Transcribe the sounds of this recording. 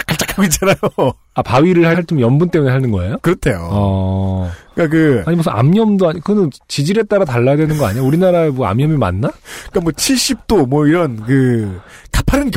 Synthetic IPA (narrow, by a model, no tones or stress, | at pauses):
k͈ʰat͡ɕ͈akʰaɡoit͡ɕ͈anajo | apaɥiɾɯɭhaaɭt͡ɕomjʌnbunt͈emune̞ɦanɯnɡʌḛjokɯɾʌtʰe̞jo̰ʌ | k͈ak̬ɯaɲimʌsʰʌa̰mɲʌmdoaɲkɯʌnɯnt͡ɕid͡ʑiɾe̞t͈aɾataɭːajadwenɯnɡʌa̰ɲiauɾinaɾaemwʌa̰mɲʌmima̰nːakamwʌt͡ɕʰiɭɕ͈ip̚t͈omwʌiɾʌnkɯkapʰaɾɯnk